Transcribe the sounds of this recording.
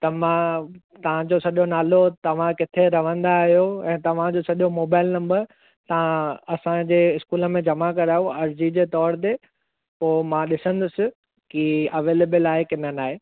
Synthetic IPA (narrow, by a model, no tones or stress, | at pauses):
t̪ɐmã | t̪ɐʋ̤ãd͡ʑosɐʄonaːlot̪ɐʋ̤ãkɪt̪ʰeɾɐʋ̤ə̃nd̪aːɦijoɛ̃ːt̪ɐʋ̤ãd͡ʑosɐʄjomoːbaːɪlnɐ̃mbəɾ | t̪ɐʋ̤ãɐsãd͡ʑeːɪskuːlə̆mẽd͡ʑɐmakɐɾaːjoɐɾd͡ʑid͡ʑeːt̪ɔːɾt̪̬e | poːmãɗɪsə̃nd̪ʊsɪ̆ | kiɐʋeːleːbəlaːekɪn̤ənaːɦeː